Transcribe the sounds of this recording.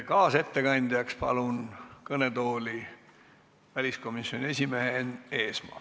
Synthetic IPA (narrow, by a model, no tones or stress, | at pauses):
kɑːse̞t̪ːe̞kɑnʲd̪̥ijɑkspɑ̰lunkɤne̞t̪o̞ːlʲi | vælʲisko̞misjo̞nʲie̞sʲime̞ɦene̞ːsmɑ̰ː